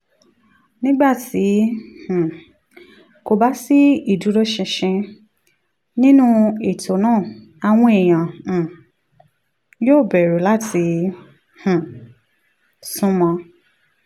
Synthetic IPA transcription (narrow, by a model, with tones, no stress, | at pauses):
nĩ˦ɡ͡ba˦˨tʰi˨˦h̩˨ | ko˧ba˦si˦i˦˨du˨˦ɾo˦ʃɛ̃˧ʃĩ˧ | nĩ˦nũ˦e˨tʰo˨˦nãː˦˨ | a˧w̃ɔ̃˧e˨j̃ã˨ | joː˦˨bɛ˨ɾu˨˦la˦˨tʰi˨˧˦ | h̩˨ | sũ˦mɔ̃˧